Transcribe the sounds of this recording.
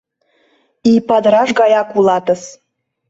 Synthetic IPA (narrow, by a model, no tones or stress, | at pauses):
ipad̪raʐɡajakʷʼulˠatʼɨs